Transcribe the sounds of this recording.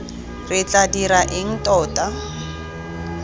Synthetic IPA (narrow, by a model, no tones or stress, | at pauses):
rɪt͡ɬadiɾaʔɪŋ̩tɔːta